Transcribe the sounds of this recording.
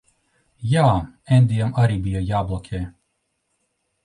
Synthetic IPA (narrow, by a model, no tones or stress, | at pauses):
jaːɛnd̪ʲijamaɾiːbijajaːblˠɔkʲʰɛː